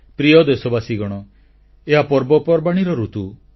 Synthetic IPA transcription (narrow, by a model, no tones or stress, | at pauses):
pɾiɔd̪esɔbasiɡɔɽ̃ɔ | eɦapɔɾbɔpɔɾbaɽ̃iɾɔɾut̪u